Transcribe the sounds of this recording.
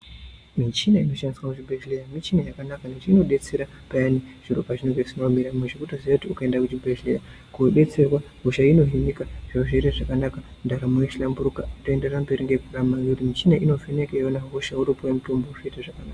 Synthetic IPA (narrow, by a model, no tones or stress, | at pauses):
mit͡ʃinaino̞ʃandiswakut͡ʃibeʃlejamit͡ʃinajakanakanet͡ʃino̞ɗet͡seɾa | pajaniʐ̥iropaʐinoɡesinamiɾameʐikutoziautiukaendakut͡ʃibeʃleja | kuɗe̞t͡serwaɦoʃaino̞ɦimikaʐ̥ioʐeiɾaʐakanaka | ndaɾamujeʃilambuɾukatoendeɾambeɾiŋɡekuramaɡutimit͡ʃinaʔino̞venekaonaɦoʃauɾopowemutombouʐoitaʐakanaːka